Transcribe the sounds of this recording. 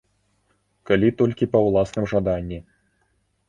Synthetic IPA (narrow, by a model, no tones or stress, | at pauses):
kalʲit̪ɔlʲkʲipɐwlˠasnɨmʐad̪anʲːi